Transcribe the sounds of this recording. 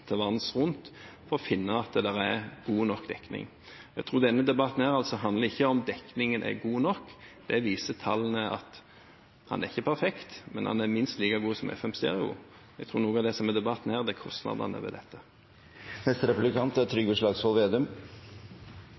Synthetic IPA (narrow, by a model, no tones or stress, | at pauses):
t̪ʰəʋɑnsʁʊnt̪fɔʁɔfɪnːəɑt̪̚d̪ɛd̪æʁæɾɡ̥uːnɔkd̪ɛkːnɪ̰ŋ | ɛɡt̪ʰɾuːɾd̪ɛnːəd̪ɛbɑt̪n̩hæːɾɑlsɔɦɑnd̪ləɾɪçːəɔmd̪ɛknɪŋənʔæ̰ɡuːnɔkːd̪̥ɛʋiːsət̪ʰɑlːnəʔɑ̰t̪ | hɑ̰næʁɪçːəpʰæɾfɛkt̪mɛnhɑ̰næɾmɪnst̪liːkɑɡuːsɔmʔɛ̰fɛmst̪ɛ̰ːʁɪʊ̰ | ɛɡt̪ʰɾuːɾnuːɡəɑd̪ɛsɔmɛd̪ɛbɑt̪n̩hæːʁd̪ɛkʰɔst̪nɑ̰d̪ɑ̰nə̰ʋɛ̰d̪ɛt̪ːə | nɛst̪ɾɛpʉblɪkʰɑnt̪t̪ʰɾʏɡəʂɭɑːɡsʋɔlʋeːd̪ʉm